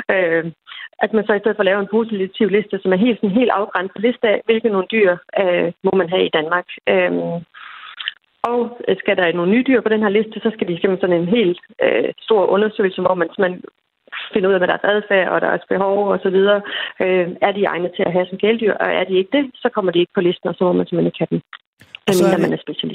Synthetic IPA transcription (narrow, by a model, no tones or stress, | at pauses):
ø | ʔæd̥mænsɒ̽isd̥eðˠfɒ̽lɛːʊəe̝npʰo̝ːsit͡sʰiʊle̝sd̥əsɒ̽mæɐɦe̝̰ːl̥sɒ̽n̩ɦe̝̰ːld̥ɑ̈ʊɡ̥ʁan̰d̥pʰɒ̽le̝sd̥əæʋe̝lɡ̥ð̩ˠno̝ːn̩d̥y̰ːɐ̰mɒ̽mænɦɛid̥ænmɑ̈ːɡ̥ø | ʔɒ̽ʊsɡ̥æɾ̥ɑ̈æɐno̝ːn̩ːyːd̥yɐ̰pʰɒ̽ɾ̥enɦæɐle̝sd̥əsɒ̽sɡ̥æd̥i̥pʰɡ̥em̥̩sɒne̝nɦe̝̰ːløsd̥o̝ɐ̰ʔɔ̽nɐsø̰ːɪl̩səmɒ̽mænse̝men | fe̝nəuðˠɛmeɾ̥æɐsæð̞ˠfæɐ̰ɒ̽ɾ̥æɐsb̥e̝ɦɒʊɒ̽sɒ̽ʋið̞ˠɐːøæɐd̥iɑ̈ɪnəð̩ˠt͡sʰe̝æɦæsɒ̽nɡ̥eːld̥yɐ̰ʔɒ̽ʔæɐd̥ie̝ɡ̥əd̥e̝sɒ̽kʰɒ̽m̰ɐd̥ie̝ɡ̥əpʰɒ̽le̝sd̥n̩ɒ̽sɒ̽mɒ̽mænse̝mene̝ɡ̥hæd̥em | æminæmænæɐsb̥e̝ɕælisd̥